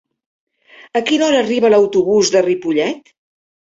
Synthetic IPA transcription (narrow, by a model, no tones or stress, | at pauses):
əkinɔɾəːriβələwt̪uβuzðəripuʎɛt̪